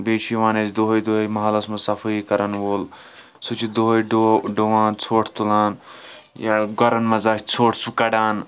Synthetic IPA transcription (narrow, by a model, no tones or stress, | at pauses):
beːʃiʋãːnesd̪oɦod̪oːɦjmɐɦɐlɐsmɐsɐfiikɐɾɐnʋol | sut͡ʃʰid̪oɦjɖoɖoʋãːnt͡sʰoːʈʰt̪ulaːn | jaɡɐɾɐnmɐzaːkt͡sʰoːʈʰsukɐɖaːn